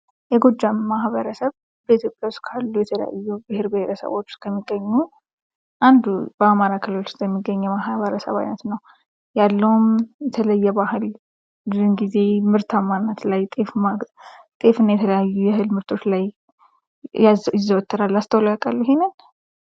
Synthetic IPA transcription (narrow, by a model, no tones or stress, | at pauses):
jɛɡod͡ʒːamːaɦβəɾəsəβ | bəit̪ʰjo̞pʼjawʊskʰalːujɛt̪ʰələ̰ja̰jːubɨhe̞ɾbɨheɾəsə̰wo̞t͡ʃːskʰəmːiɡːəɲːu | ʔand̪ubəamaɾakʰɨlɨlosəmːiɡːəɲːɛmaɦβəɾəsə̰βa̰jnət̪nəw | jalːəwumjɛt̪ʰələjːɛbahɨl | bzunɡize̞mɨɾt̪ʰamːanːət̪lajt̪ʼefmat̪ʼe̞fɨnjɛt̪ʰələjajːujɛɦɨlmɨɾt̪ʰo̞t͡ʃlaj | aɪzːəwət̪ʰːəɾalːast̪ʰəwlakʼalːiɦenɨn